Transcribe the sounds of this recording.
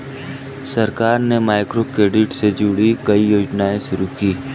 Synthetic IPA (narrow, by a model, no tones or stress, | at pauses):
sɐɾkaːɾnemaːɪkɾokɾeːɖɪʈsed͡ʒʊɽikɐijoːd͡ʒnaːẽʃʊɾukiː